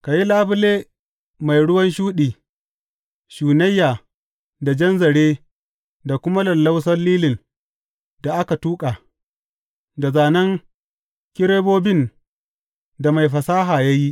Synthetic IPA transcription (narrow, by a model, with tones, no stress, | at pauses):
ka˨ji˦laː˦bʊ˦leː˦ | ma˨jɽʊ˦wɐ˦nʃuː˦ɗiː˨ | ʃuː˨nɐ˦jːaː˨ | da˨d͡ʒɐ˦nzɐ˨ɽeː˦ | da˨kʷʊ˦ma˦lɐ˨lːa˦wsɐ˦nliː˦lɪ˨n | da˨ʔa˦ka˨tuː˦kʼaː˨ | da˨zaː˨nɐ˦ŋ | kʲɪ˦ɾeː˦boː˦bɪ˦n | da˨ma˨jɸɐ˨saː˦ɦaː˨ja˦ji˦ʔ